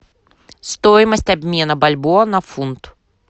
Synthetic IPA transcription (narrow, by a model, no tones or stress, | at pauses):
st̪ɔjmɐsʲtʲɐbʲmʲenɐbɐlʲbɔnɐfunt̪